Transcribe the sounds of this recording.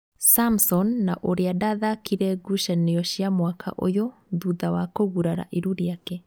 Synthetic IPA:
samsɔnːaʔoɾeadaðakiɾɛɡuʃɛnejɔɕjamwakʰa̰ʔo̰joðuðawakoɣuɾaɾa̰ʔeɾuɾeakɛ

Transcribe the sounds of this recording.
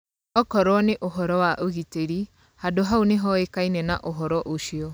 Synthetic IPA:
ɔkɔɾwɔneʔoɦɔɾɔwaʔoɣiteɾi | hadoɦauneɦɔekainɛnaʔoɦɔɾɔʔoʃiɔ

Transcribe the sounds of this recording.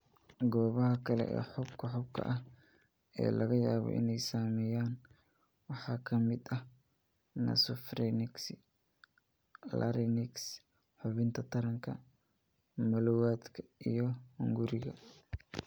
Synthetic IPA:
ɡɔːβɐɦɐkʰɐlɛ̰ʔɛ̰ːħʊbkʰɐħʊb̚kʰɐ̰ʔɐh | ɛ̰ːlɐɣɐjaːβɔ̰ʔɪ̰nɛjsaːmɛjaːn | wɑħɑːkʰɐmɪd̪ɐh | nɐ̰sɔfɾɛnɪks | lɐ̰ɾɪnɪks | ħʊβɪnt̪ʰɐt̪ʰɐɾɐŋkʰɐ | mɔlɔwaːd̪kʰɐijɞhʊŋɡʊɾɪɣɐ̰

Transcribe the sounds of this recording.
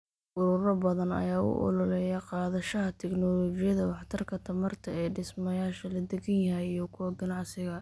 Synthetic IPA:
ʔʊɾʊɾɐbɐðɐnɐ̰jaːʊ̰ʔɔ̰lɔlɛjɐqɑːðɐʃɐɦɐt̪ʰɛɡnɔlɔːt͡ʃɪjɐðɐwɑħt̪ʰɐrkʰɐt̪ʰɐmɐrt̪ʰɐɛːɖɪsmɐjaːʃɐlɐd̪ɛɡɐnjɐɦɛjijɞkʰʊwɐɡɐnɑʕsɪɣɐ

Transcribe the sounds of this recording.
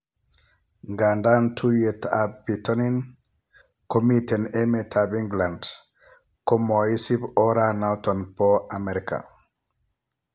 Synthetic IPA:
ŋɡandantʰujetabitɔnin | komitɛnemetʰabiŋɡland | komɔisibɔɾanawt̪ɔnpɔameɾika̰

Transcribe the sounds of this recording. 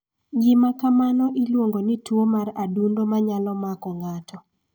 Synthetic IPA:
ɡɪmakamanɔʔilwoŋɡonitwomaradundomaɲalɔmakɔŋatɔ

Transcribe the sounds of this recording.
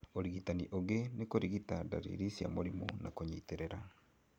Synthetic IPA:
oɾiɣitaniʔoɣenekoɾiɣitada̰ɾḭɾisia̰moɾimṵnakoɲiːteɾeɾa

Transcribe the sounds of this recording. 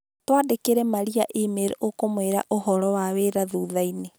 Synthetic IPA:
twadekeɾɛmaɾiaʔemeɾɛʔokomweɾa̰ʔoɦɔɾɔwaweɾaðuːðaine

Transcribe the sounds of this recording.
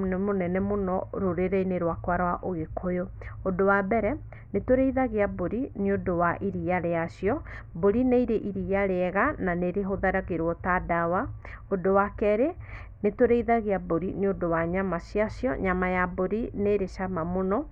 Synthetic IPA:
nɛmonɛnɛmonɔɾoɾeɾeineɾwakwaɾawaʔoɣekʰojo | odowabɛɾɛ | netoɾeiðaɣeaboɾineodowaʔiɾijaɾeaɕiɔboɾineiɾeʔiɾijaɾeɛɣananeɾeɦoðaɾaɣeɾwɔtadawa | odowakɛɾe | netoɾeiðaɣeaboɾineodowaɲamasjaɕjɔ̰ɲamajaboɾineɾeʃamamonɔ

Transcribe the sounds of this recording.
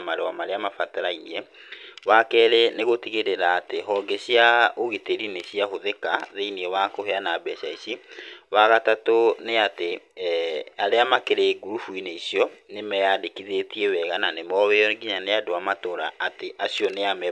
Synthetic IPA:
maɾewamaɾeamafataɾainiɛ | wakɛɾeneɣotiɣeɾeɾaːteɦɔɡeɕijaoɣeteɾineɕiaɦoðekaðeiniewakoheanaːbɛɕaiɕiwaɣatatoneate | aɾeamakeɾeɡuɾufuineisijɔnemɛjadekiðetiewɛɣananemɔweɔɡiɲaneadoamatoɾaːteʔaɕijɔneamɛ

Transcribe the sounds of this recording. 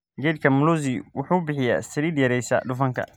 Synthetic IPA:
ɡɛd̪̚kʰɐmʊluziwʊħuːʊbɪħɪja̰sɐɾiːd̪jɐɾɛjsɐ̰ɖʊfɐŋkʰɐ̰

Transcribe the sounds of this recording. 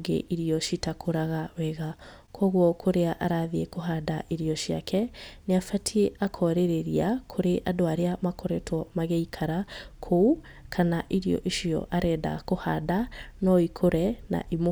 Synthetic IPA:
ɡḛʔiɾiɔʃitakʰoɾaɣawɛɣa | kʰɔɣwɔkʰoɾeaʔaɾaðiekoɦadaʔiɾiɔʃiakʰɛneafatʰieʔakʰɔɾeɾeɾiakʰoɾeʔadoaɾeamakɔɾɛtʰwɔmaɣɛikʰaɾakʰou | kʰanaʔiɾiɔ̰ʔiʃiɔ̰ʔaɾɛːda̰kohadanɔikʰoɾɛna̰ʔim

